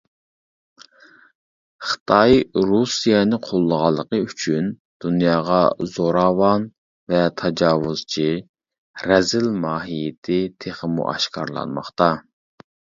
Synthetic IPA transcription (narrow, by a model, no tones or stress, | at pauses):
χə̥t̪ʰɑjɾusijɛnɨqʰolˠːəʁɑlˠːəqəyt͡ʃʰyn | d̪̥unjɑːʁɑzoɾɑːwɑn | vɛt̪ʰɑd͡ʒɑːwuz̥t͡ʃʰi | ɾɛzɪlmɑːɦijɪt̪ʰɪt̪ʰeχəmṵʔɑ̰ʃkʰɑɾlˠɑ̰nmɑ̰χt̪ɑ